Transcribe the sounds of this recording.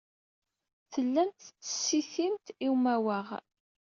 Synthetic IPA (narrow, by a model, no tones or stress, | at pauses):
θəlːæmt̪t͡sːə̥sːiθimt̪iwmæwəʁ